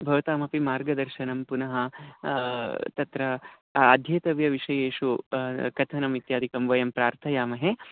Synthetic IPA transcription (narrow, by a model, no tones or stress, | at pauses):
bʱɐʋɐt̪aːmɐpimaːɾɡɐd̪ɐɾʃɐnɐmpunɐɦɐ | t̪ɐt̪ɾɐː | d̪ʱjeːt̪ɐʋjɐʋiʂɐjeːʂukɐt̪ʰɐnɐmit̪jaːd̪ʱikɐmʋɐjɐmpɾaːɾt̪ʰɐjaːmɐɦe